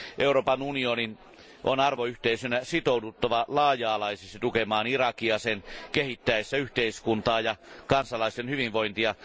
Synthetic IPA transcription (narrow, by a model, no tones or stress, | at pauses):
ʔeuroːpɑnunionin | ʔonɑrʋoyht̪eisynæsit̪oudut̪ːɑʋɑlɑːjˑɑːlɑisekst̪it̪ukemɑːnirɑkiɑsenkehit̪ːæesːæyht̪eiskunt̪ɑːjɑkɑnsɑlɑˑist̪enhyʋiʋʋoint̪iɑ